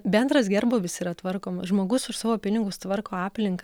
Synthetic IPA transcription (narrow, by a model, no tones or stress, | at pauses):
bʲɛnd̪ɾɐsɡʲɛrboːʋʲɪsiːɾɐt̪ʋɐrkoːmɐʒmoːɡʊsʊʃsɑːʋoːpʲɪnʲɪɡʊst̪ʋɐrkoːɑːpʲlʲɪŋkɐ